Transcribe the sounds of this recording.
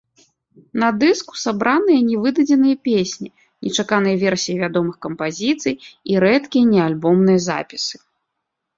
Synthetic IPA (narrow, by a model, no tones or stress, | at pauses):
nɐd̪ɨsku̥sabɾanɨjɐnʲɛvɨd̪ɐd͡zʲɛnɨjɐpʲesʲnʲi | nʲɛt͡ʂakanɨjɐvʲɛrsʲijivʲad̪ɔmɨxkɐmpazʲit̪sɨjiɾɛt̪kʲijɐnʲɛalʲbɔmnɨjɐza̰pʲi̥sɨ̥